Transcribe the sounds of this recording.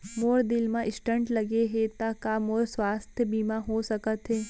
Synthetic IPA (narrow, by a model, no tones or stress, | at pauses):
moːɾd̪ɪlmãʔɪsʈə̃ɳʈlɐɡeɦet̪akamoːɾswaːst̪ʰjəbiːmaɦosɐkət̪ɦɛː